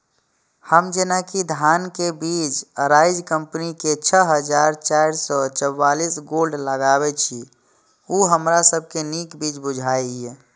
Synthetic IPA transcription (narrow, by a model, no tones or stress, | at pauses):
həmd͡ʒenakid̪ʱankebit͡ʃɾaɪd͡ʒkəmpniket͡ʃʰəɦəd͡ʒaɾt͡ʃaɾsɔt͡ʃəwːalisɡolɖləɡabɛt͡ʃʰi | uɦəmɾasəb̚ʱkenikbit͡ʃbud͡ʒʱajie